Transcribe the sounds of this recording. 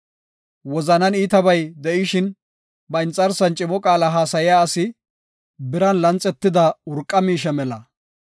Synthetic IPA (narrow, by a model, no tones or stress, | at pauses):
wɔzɐnɐniːt̪ɐbɐjd̪ɛʔɪʃɪn | bɐɪnt͡sʼːɐɾsɐnt͡ʃʼɪmɔkʼaːlaɦaːsɐjɪjaːsɪ | bɪɾɐnlɐnt͡sʼːɛt̪ːɪd̪ɐʊɾkʼːɐmiːʃ̬ɛmɛlɐ